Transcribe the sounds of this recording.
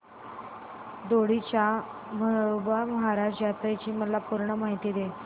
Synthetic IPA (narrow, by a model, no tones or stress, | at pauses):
d̪oɽit͡ɕa | məobaməɦaɾaʂʈjat̪ɾet͡ɕiːməlapuɾɳəmaɦit̪iːd̪e